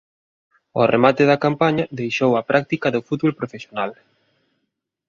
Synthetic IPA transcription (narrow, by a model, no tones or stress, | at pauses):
ɔ̰remat̪ɪðɐkampaɲɐðejʃowɐpɾʔak̚t̪ikɐðofut̪βolpɾofesjonal